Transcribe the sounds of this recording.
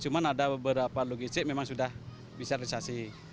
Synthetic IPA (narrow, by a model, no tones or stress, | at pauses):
t͡ʃumanadabəbəɾapaloɡist̪ɪk̚memaŋsudah | bisaɾisasi